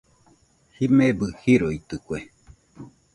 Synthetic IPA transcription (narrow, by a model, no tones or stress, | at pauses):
himebɨhiɾoit̪ɨkʷe